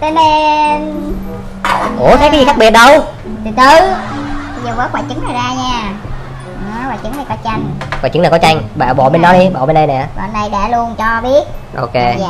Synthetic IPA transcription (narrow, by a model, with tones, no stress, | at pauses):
t̪əː˨˦jme˧ | ʔo˧˩t̪ə˨˦kaː˨˦zi˨˩a˦˥k̚ɓi˨˩ət̚ɗə˧w | t̪ɨ˨˩t̪ɨ˨˩˧ | zə˨˩vəː˨˦jkwaː˧˩jt͡ɕɨ˨˦ŋnaː˨˩jzaː˧ɲaː˧˩˨ | kwaː˧˨˩t͡ɕɨ˨˦ŋna˨˩jkɔ˨˦t͡ɕa˧jŋ̟kwa̰ː˧˩jt͡ɕɨ˨˦ŋna˨˩kɔ˨˦t͡ɕa˧ŋɓa̰ː˧˨ɓɔ̰˧˨ɓe˧nɗɔ˨˦ɗi˧ɓɔ̰˧˨ɓe˧nɗə˧jnɛ̰˧˨ɓa̰ː˧˨˩nːa˨˧˩jɗa̰ː˧˩lu˧ənt͡ɕɔ˧ɓi˦˥ət̚ʔo̰˧ke˧jaː˧˨